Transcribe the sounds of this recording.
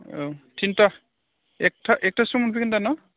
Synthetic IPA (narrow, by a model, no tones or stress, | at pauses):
tʰinta | ɛk̚tʰaʔɛk̚tʰasɔmɔnpʰikindanɔ